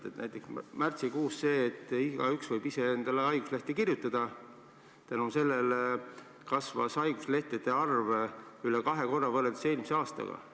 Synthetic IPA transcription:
t̪et̪næjt̪ːˑeksmært̪sikuːsse̞ːt̪ːˑiɡ̥ɑ̰yksvɤjb̥iseend̪̥ɑleɑjɡ̥usleht̪ikirjut̪ːˑɑd̪̥ɑ | t̪ænuse̞lːel | kɑsvɑsɑjɡ̥usle̞ht̪it̪ːeɑrvylekɑɦe̞ko̞rːɑvɤɾeld̪e̥seːlmise̞ɑːst̪ɑ̰ɡ̥ɑ̰

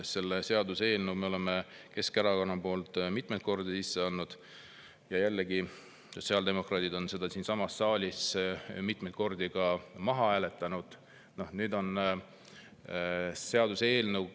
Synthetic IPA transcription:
se̞lːese̞ɑd̪use̞ːlnewme̞o̞le̞me | ke̞skɑɾɑkonːɑpo̞ːlt̪ˑmit̪ˑmejt̪̚ko̞rd̪̥isisːeɑnːud̪̥ | jɑjælːeɡi | sotseɑld̪e̞mo̞krɑːd̪̥id̪o̞nse̞d̪̥ɑsiːnsɑmɑsːɑːlʲismit̪ˑmejt̪ko̞rd̪iɡɑmɑɦɑæːle̞t̪ːˑɑnud̪̥ | no̞hnyːd̪o̞n | se̞ɑd̪use̞ːlnew

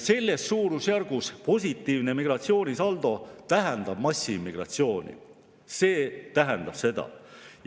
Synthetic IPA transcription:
se̞lʲːe̞sːuːɾusjærɡ̥uspo̞s̬ʲit̪ːˑiːvne̞miɡ̥rɑt̪sio̞ːnʲisɑld̪̥o̞t̪æɦɛnd̪̥ɑb̥̚mɑsʲːimiɡ̥rɑ̰t̪sio̞ːnʲḭ | se̞ːt̪æɦɛnd̪̥ɑb̥se̞d̪̥ɑ̰

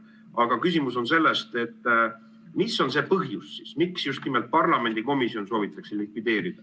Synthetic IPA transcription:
ɑɡ̥ɑkys̬ʲimuso̞nse̞lːe̞st̪e̞t̪ː | misːo̞nse̞ːpɤɦjusːismiksjust̪nimelt̪̚pɑrlɑme̞nʲd̪̥iko̞misio̞nso̞ːvit̪ːˑɑkselikvid̪e̞ːɾid̪̥ɑ

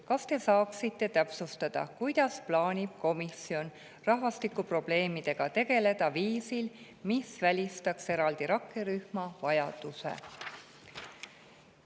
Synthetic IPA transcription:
kɑst̪e̞sɑːksit̪ːe̞t̪æpsust̪ɑd̪̥ɑ̰kujd̪̥ɑsplɑːnʲib̥̚ko̞misjo̞n | rɑɦvɑst̪ikːˑupro̞b̥le̞ːmid̪̥e̞ɡ̥ɑt̪e̞ɡ̥e̞le̞d̪̥ɑviːsil | misvælʲist̪ɑkse̞ɾɑld̪̥iɾɑkːˑe̞ɾyhmɑvɑjɑd̪̥use̞̰

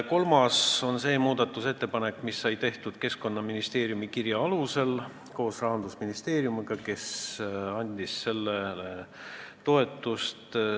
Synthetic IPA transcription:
ko̞lmɑso̞nse̞ːmuːd̪ɑt̪ːˑuse̞t̪ːe̞pɑne̞kːˑmisːɑjt̪e̞ht̪ud̪̥ke̞sko̞nːɑminist̪eːɾjumikirjɑɑluse̞l | ko̞ːsrɑɦɑnd̪̥usminist̪e̞ːɾjumeɡ̥ɑke̞sɑnʲd̪̥isːe̞lːelet̪o̞e̞t̪ːˑust̪

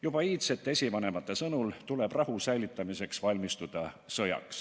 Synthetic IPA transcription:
jub̥ɑiːt̪se̞t̪ːˑe̞sʲivɑne̞mɑt̪ˑːe̞sɤnult̪ule̞b̥rɑɦusæjlʲit̪ːˑɑmise̞ksvɑlʲmist̪ud̪̥ɑ | sɤjɑ̰ks

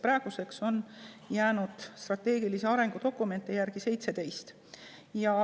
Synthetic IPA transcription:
pɾɑːeɡ̥use̞kso̞njæːnud̪̥st̪rɑt̪ːˑe̞ːɡ̥iliseɑɾe̞ŋɡ̥ud̪o̞kːˑume̞nt̪ːˑijærɡ̥ise̞jt̪se̞t̪e̞jst̪ | jɑ

